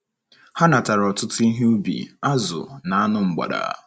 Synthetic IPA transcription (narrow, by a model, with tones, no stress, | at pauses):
ha˦na˨ta˨ɾɔ˨tʊ˦tʊ˦i˦ɦe˦u˦bḭ˨a˦zʊ̰˨na˨a˦nʊ˨ŋ͡m̩˨ɡ͡ba̰˨da̰˨˦